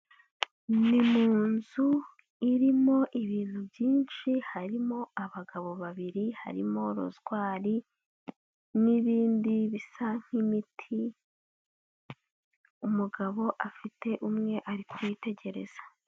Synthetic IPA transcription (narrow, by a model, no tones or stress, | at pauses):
nimuːnzu | iɾimo̞ʔiβiːn̥hubjiːnʃihaɾimo̞aβaɡaβo̞βaβiɾiha̰ɾḭmo̞ɾo̰zɡwaːɾi | niβiːndiβisaŋ̥imitʰi | umuɡaβo̞ʔafite̞ʔumŋe̞ʔaɾikʰuwite̞ɟe̞ɾe̞̰z̥ḁ